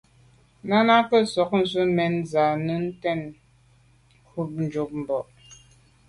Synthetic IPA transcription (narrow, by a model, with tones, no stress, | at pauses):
na˦na˦kə˦sɔ˨k̚n̩˨zə˦mɛ˨nza˨nə˦n̩˦tɛ˦˨n˦ | kʰu˦p̚n̩˨d͡ʒo˨p̚m̩˨bɔ˨ʔ